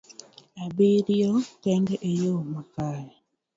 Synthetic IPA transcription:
abiɾjɔkɛŋɡɛʔejomakaj

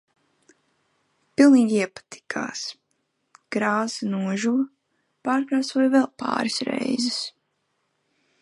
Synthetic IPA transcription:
pilˠniːɡiɛpḁt̪ʰi̥kʰa̰ːs | ɡ̥ɾaːzinuɔʒuː | paːɾkɾaːsuɔjvɛlˠpa̰ːɾisɾɛ̰jzɪs

